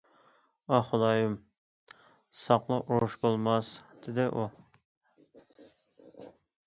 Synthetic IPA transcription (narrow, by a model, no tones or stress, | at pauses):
ɑχʊd̪ɑjum | sɑqlˠɑʔuɾʊʃbolˠmɑsd̪̥ɪd̪ɪʔu